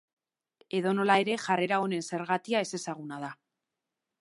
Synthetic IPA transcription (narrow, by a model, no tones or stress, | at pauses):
e̞ðo̞no̞lae̞ɾe̞ʝare̞ɾao̞ne̞nse̞ɾɣat̪iae̞se̞saɣ̞unaða